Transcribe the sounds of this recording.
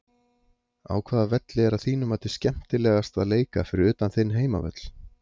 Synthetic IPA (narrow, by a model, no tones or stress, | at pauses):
a̰ːwkʰvaːðavɛt̪lɪɛɾaðθiːnʏmaːt̪ɪ̥scɛm̥t̪ɪlɛːɣast̪a̰ðleːjkafɪɾɪɾʏːt̪anθɪnːɦeːjma̰vœ̰t̪l̥